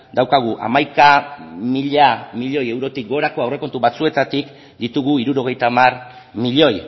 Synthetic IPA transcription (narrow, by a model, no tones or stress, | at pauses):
d̪awkaɣ̞uʔa̰majkamiʎamiʎo̞je̞wɾo̞t̪ik̚ɡo̞ɾako̞awre̞ko̞nt̪uβat͡sue̞t̪at̪ik | d̪it̪uɣuiɾuɾo̞ɣ̞e̞jt̪amar | miʎo̞j